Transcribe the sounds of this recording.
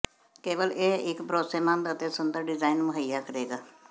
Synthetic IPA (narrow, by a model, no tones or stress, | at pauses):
keːʋəlʔeːɪkbɾoːseːmãːnd̪ət̪eːsənd̪əɾɖɪzaːinməɦəjaːkəɾeːɡaː